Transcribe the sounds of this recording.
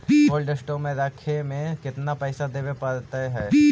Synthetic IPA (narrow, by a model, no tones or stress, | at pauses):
oːlɖəsʈõmẽɾaːkʰemẽkɪt̪napɛːsad̪eːʋepaːɾt̪aɦɛː